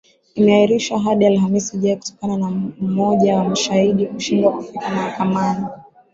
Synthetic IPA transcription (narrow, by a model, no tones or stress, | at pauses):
imɛahiɾiʃwaɦaɗialɦamisiʄaiku̥tɔ̥kananam̩mɔʄawamaʃahiɗiuʃindwakafikamahakamani